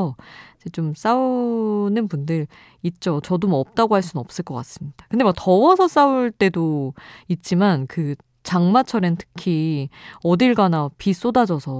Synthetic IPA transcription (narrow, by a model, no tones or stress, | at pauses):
ʌd͡ʑet͡ɕoms͈aunɯnpundɯɾ | it̚t͡ɕ͈ot͡ɕʌdomʌp̚t͈aɡoɦaɭs̬͈unnʌp̚s͈ɯɭk͈ʌk͈as͈ɯmɲid̥akɯndemak̚tʌwʌsʰʌs͈auɭt͈e̞doit̚t͡ɕ͈imankɯ | t͡ɕaŋmat͡ɕʰʌɾentʰɯ̥kʰi | ʌdiɭɡanapis͈odad͡ʑʌsʰʌ